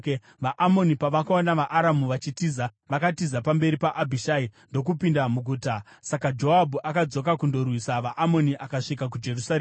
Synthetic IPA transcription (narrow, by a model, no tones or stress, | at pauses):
ʋaʔamo̞nipaʋakaonaʋaʔaɾamuʋat͡ʃitiza | ʋakatizapambe̞ɾipaʔabʱiʃaindo̞k̬upindamuɡʱuːta | sakad͡ʒo̞abʱuʔakad͡zo̞kakundo̞rwisaʋaʔamo̞niʔakaʂikak̬ud͡ʒe̞rusare